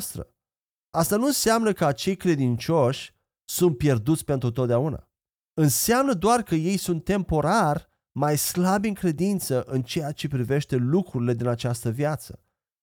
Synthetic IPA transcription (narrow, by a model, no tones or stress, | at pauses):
st̪ɾə̰ | ast̪anuɨnseamnəkəat͡ʃe̞jkɾe̞d̪int͡ʃo̞ʃʲ | sunt̪̚pje̞rd̪ut̪sʲpe̞nt̪ɾut̪ot̪d̪eauna̰ | ɨnseamnəd̪oarkəje̞jsunt̪ːe̞mpo̞ɾarʲ | majslabʲɨŋkɾe̞d̪int̪səʔɨnt͡ʃe̞jat͡ʃe̞pɾive̞ʃt̪e̞lukɾuɾile̞d̪inat͡ʃast̪əvjat̪sə